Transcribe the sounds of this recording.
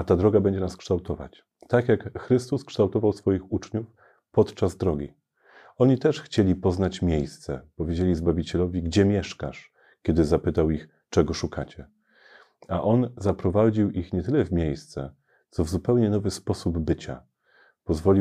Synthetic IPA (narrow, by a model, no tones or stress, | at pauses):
at̪ad̪ɾɔɡabɛɲd͡ʑɛnaskʂt̪awt̪ɔva̰t͡ɕ | t̪akjakxɾɘst̪uskʂt̪awt̪ɔvawsfɔjixut͡ʂɲuf | pɔt̪t͡ʂazd̪ɾɔɡʲi | ɔɲit̪ɛʂxt͡ɕelʲipɔznat͡ɕmʲjejst̪sɛ̰pɔvʲjed͡ʑelʲizbavʲit͡ɕɛlɔvʲiɡd͡ʑɛmʲjɛʂka̰ʂ | kʲɛd̪ɘzapɘt̪awix | t͡ʂɛɡɔʂukʰat͡ɕɛ | aʔɔnzapɾɔvad͡ʑiwixɲɛt̪ɘlɛvmʲjejst̪sɛ̰ | t̪sɔvzupɛwɲɛnɔvɘspɔsubbɘt͡ɕa̰ | pɔzvɔlʲi